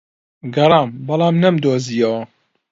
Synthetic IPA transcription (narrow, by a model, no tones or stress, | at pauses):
ɡɐɾˤɑːmbɐlˠɑːmnɐmd̪oːziːjɐwɐ